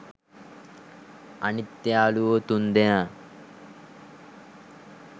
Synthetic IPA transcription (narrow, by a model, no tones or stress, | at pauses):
ɐnit̪ːjaːluot̪und̪ena